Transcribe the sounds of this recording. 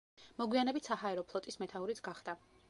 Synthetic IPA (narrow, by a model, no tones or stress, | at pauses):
mɔɡwianɛbit̪ʰsahaɛɾɔpʰlˠɔt̪ʼismɛt̪ʰauɾit̪sʰɡ̥aχd̪a